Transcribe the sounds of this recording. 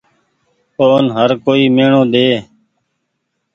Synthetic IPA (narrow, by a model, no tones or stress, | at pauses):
oːnɦəɾkoːiːmeːɳõːd̪eː